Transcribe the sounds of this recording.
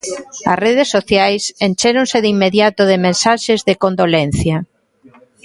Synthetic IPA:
ɐ̰sreð̞esːoθjajsent͡ʃeɾõnsɪðimːeðjat̪ʊðɪmẽnsaʃezðɪkõnd̪olen̟θjɐ

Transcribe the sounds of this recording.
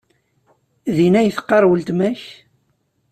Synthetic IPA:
ðinæjəθqːɑɾˤwəlt̪mæç

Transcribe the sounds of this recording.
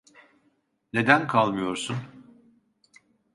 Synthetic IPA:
ne̞d̪ænkʰalˠmɯjo̞ɾsun

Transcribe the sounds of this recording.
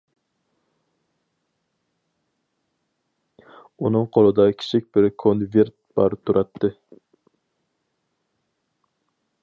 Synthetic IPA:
unɨŋqʰolˠɨd̪ɑkʲʰi̥t͡ʃʰik̚ʲbɪɾkʰonveɾt̪̚b̥ɑɾt̪ʰuɾʔɑt̪ʰːɨ

